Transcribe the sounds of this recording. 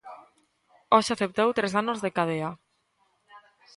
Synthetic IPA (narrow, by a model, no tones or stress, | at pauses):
ɔʃaθep̚t̪owt̪ɾesanozðekaðea